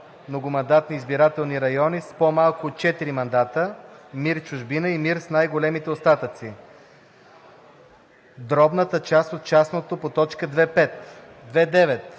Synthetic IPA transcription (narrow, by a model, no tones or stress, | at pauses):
mnoɡʊmɐnd̪at̪niːzbiɾat̪ɛlˠniɾɐjɔnispomalˠkʊt̪t͡ʃɛt̪iɾimɐnd̪at̪əmiɾt͡ʃʊʒbinəimiɾsnajɡolɛmit̪ɛost̪at̪ət̪si | d̪ɾɔbnət̪ət͡ʃast̪ot̪̚t͡ʃasnot̪opot̪ɔt͡ʃkəd̪vɛpɛt̪ | d̪vɛd̪ɛvɛt̪